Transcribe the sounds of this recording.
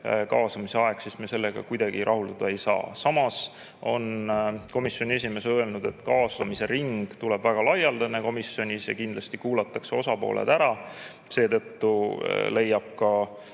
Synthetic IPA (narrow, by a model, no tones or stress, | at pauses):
kɑːsɑmise̞ɑe̞ɡ̥sismiese̞lːeɡ̥ɑ̰kujd̪ɑɡ̥iɾʔɑɦult̪ɑd̪̥ɑe̞jsɑ̰ːsɑmɑs | o̞nko̞misjo̞nʲie̞s̬ʲime̞søe̞lnud̪̥e̞t̪ːkɑːsɑmise̞ɾiŋɡ̥t̪uleb̥væɡ̥ɑlɑjɑld̪̥ɑneko̞misjo̞nʲisjɑ̰kind̪lɑst̪ikuːlɑt̪ːˑɑkseo̞sɑpo̞̰ːlʔḛd̪̥æɾɑ | se̞ːt̪ɤt̪ːṵle̞jːɑb̥̚kɑ